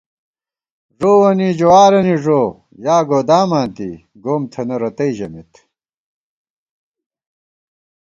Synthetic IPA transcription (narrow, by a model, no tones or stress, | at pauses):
ʐoːwɐnid͡ʑowaːɾɐniʐoː | jaːɡoːd̪aːmãːnt̪ḭ | ɡoːmt̪ʰɐnɐɾɐt̪ɐiʑɐmit̪